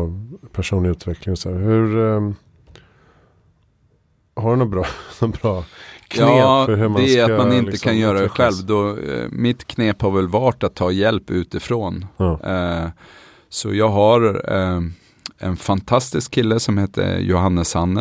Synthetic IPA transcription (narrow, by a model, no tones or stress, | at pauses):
pʰæʂuːnɪʉ̟ːt̪vɛklɪŋɔsæːɾhɵɾ | haɖɵnɔbɾɑnɔbɾɑːkʰjɑːeːhmd̪ɛæat̪manɪnəkʰanjœːɾaɛɧɛlvd̪ɔmɪt̪kʰneːphaɾvɛlvɑːʈat̪ʰːɑːjɛlpːʉ̟ːt̪ɪfɾoːn | sɔjɑːɡɦaɾ | ɛ̰nfant̪ʰast̪ɪskʰːɪlːəsɔmheːt̪ʰə̰jʊ̰ɦanːəsanːə